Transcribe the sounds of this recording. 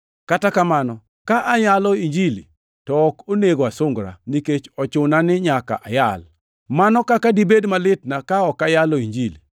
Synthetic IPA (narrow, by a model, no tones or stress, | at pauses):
katakamanɔ | kaʔajalɔiɲd͡ʒili | tɔːkoneɡoasʊŋɡɾa̰niket͡ʃɔt͡ʃʊnanɪɲaka̰ʔajal | manɔkakadibedmalɪtnakaɔkajaloiɲd͡ʒili